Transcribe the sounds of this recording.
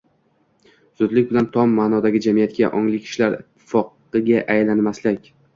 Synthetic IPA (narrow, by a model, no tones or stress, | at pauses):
z̥ʊd̪lɪkʲbɪlant̪ʰɒmːaːnɒd̪aɡʲɪd͡ʒamijat̪kʲa̰ʔɒŋlɪkʲʰɪ̥ʃlaɾɪ̰t̪ʰːɪ̥fɒq | ɨɡʲaʔajlanmaslɪkʲ